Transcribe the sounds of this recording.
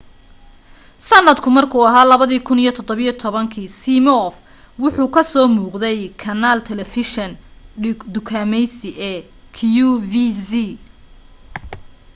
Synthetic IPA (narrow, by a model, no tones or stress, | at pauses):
sɐnːɐd̪kʰʊmɐrkʰuːɐɦaːlɐβɐðiːkʰʊnijɞt̪ʰɔd̪ɔβijɔt̪ʰɔβɐŋkʰiːsimɔf | wʊħuːkʰɐsɔːmuːqd̪ɛjkʰɐnaːlt̪ʰɛlɛfɪʃɐn | d̪ʊkʰaːmɛjsɪʔɛː | kʰjuvisi